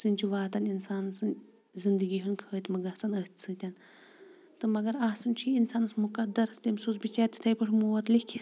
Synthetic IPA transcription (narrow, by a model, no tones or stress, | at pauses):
t͡sɨnʲt͡ʃʰuʋaːt̪ɐninsaːnsɨn | zind̪ɨɡiɦunkʰəːt̪mɨɡɐht͡sɐnət̪ʲʰt͡sʰɨt̪ʲɐn | t̪ɨmɐɡɐɾaːsɨnt͡ʃʰiinsaːnɨsmukɐd̪ɐɾst̪ɐmsuːsbit͡ʃaːt̪ʲi̥t̪ʰɐjpɐʈʰmuːɐt̪likʲʰi